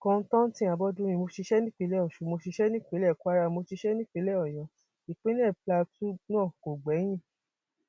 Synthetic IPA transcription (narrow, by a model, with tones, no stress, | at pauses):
kɔ̃˧n̩˧˦tã˦n˦tĩ˦˨a˨˧bɔ˦dũ˦j̃ĩ˧mo˧ti˧ʃɛ˦nĩ˦k͡pi˨˦lɛ˦ɔ˨ʃu˨˦mo˧ti˧ʃɛ˦nĩ˦k͡pe˨˦lɛ˦˨kʷa˦ɾa˧mo˧ti˧ʃɛ˦nĩ˦k͡pi˨˦lɛ˦ɔ˨jɔ̃˨˧˦ | i˨k͡pĩ˦n˦ɛ˦˨pla˧tu˦nãː˦˨ko˨ɡ͡bɛ˨˦j̃ĩ˦˨